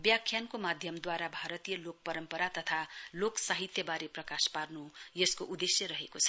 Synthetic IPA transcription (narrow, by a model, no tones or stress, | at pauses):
bjakʰːjankomad̪ʱjʌmd̪waɾabʱaɾʌt̪ijʌlok̚pʌɾʌmpʌɾat̪ʌt̪ʰaloksaɦit̪jʌbaɾeprʌkasparnujeskoʔud̪esjʌɾʌɦekot͡sʰʌ̥